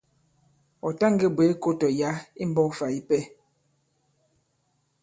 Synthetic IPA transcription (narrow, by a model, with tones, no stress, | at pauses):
ɔ˨ta˦ŋ˦ɡe˦bwe˨˦ko˦tɔ˨ja˨˦i˦m˦bɔ˦fa˨i˦pɛ˦˨